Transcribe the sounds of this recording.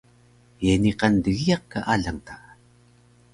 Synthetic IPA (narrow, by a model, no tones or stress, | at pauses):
jeniqandəɣijaq̚kːaʔaɮaŋta